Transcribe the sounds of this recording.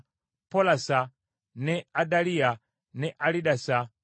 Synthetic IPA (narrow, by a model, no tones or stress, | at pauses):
pɔlasa | nɛadalia | nɛʔaliɗasa